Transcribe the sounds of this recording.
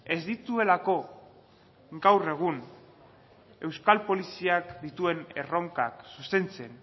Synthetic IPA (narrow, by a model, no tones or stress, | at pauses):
e̞zd̪it̪ue̞lako̞ | ɡawre̞ɣ̞un | e̞wskalpo̞lisiakd̪it̪ue̞ne̞̰ro̞ŋkaksust̪e̞nt͡se̞n